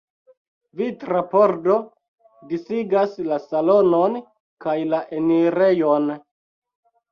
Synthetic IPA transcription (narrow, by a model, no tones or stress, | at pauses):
vitɾapoɾdo̞ | disiɡaslasalo̞no̞n | kajlaʔeniɾe̞jon